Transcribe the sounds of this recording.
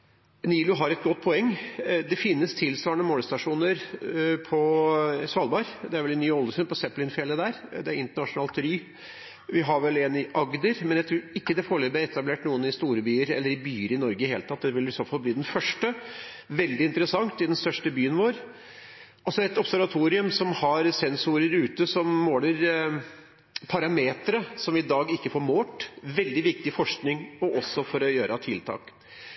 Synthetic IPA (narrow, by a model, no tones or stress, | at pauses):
niːlʊɦɑɾɛt̪̚ɡɔt̪̚ːpʰɔɛŋːd̪ɛfɪnːəst̪ʰɪlsʋɑːɳəmoːlst̪ɑʂuːnəɾpʰɔsʋɑːlbɑɾd̪ɛæɾʋɛlɛnːyːɔld̪əsʉnpʰɔsɛplɪnfɛləd̪æɾd̪ɛæɾɪnt̪əɳɑʂʊnɑːlt̪ɾyː | ʋɪɦɑɾʋɛlenɪʔɑɡd̪əɾmɛnjæɪt̪ʰɾuːɾɪkːəd̪ɛfoːɭɛbəæɾɛt̪ɑbleːʈnuːənɪst̪uːɾəbyːəɾɛ̰lːəɾɪbyːəɾɪnɔɾɡəheːlət̪ʰɑt̪ːd̪ɛʋɪlɪsoːfɑlˠbliːd̪ɛnfœʂʈə | ʋɛld̪ɪɪnt̪əɾəsɑŋt̪ɪd̪ɛnst̪œʂʈəbyːənʋoːɾ | ɔsɔɛɛt̪ɔpsæɾʋɑt̪ʰuːɾɪʉmsɔmhɑɾsɛnsuːɾəɾʉːt̪əsɔmmoːləɾ | pʰɑɾɑmeːt̪ɾəsɔmɪd̪ɑːɡɪkːəfoːɾmoːʈ̪ʋɛld̪ɪʋɪkt̪ɪfɔʂknɪŋɔʔɔsːɔfɔɾɔjøːɾʔɑt̪ʰɪlt̪ʰɑ̰ːk